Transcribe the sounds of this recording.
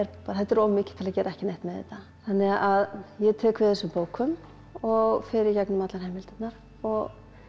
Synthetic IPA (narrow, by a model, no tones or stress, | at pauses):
ɛɾpaθɛt̪ːɛɾɔːvʏmɪːcɪ̥t̪ʰɪlacɛːɾaɛhcɪnejht̪mɛðɛ̰t̪a | θanːɪɣaʔaðjɛt̪ʰɛːkvɪðθɛsʏmpoːwkʰʏm | ɔɣfɪɾɪɾcaknʏmat̪lanhɛjmvɪlt̪ɪnaɾ̥ | ɔɣ